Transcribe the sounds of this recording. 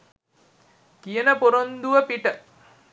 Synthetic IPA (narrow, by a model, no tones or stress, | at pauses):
kijənəpoɾond̪uʋəpiʈə